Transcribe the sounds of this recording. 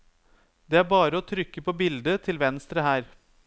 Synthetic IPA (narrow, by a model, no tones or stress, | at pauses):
d̪ɛæɾbɑːɾəɔt̪ʰɾʏkːəpʰobɪld̪ət̪ʰɪlʋɛnst̪ɾəhæːɾ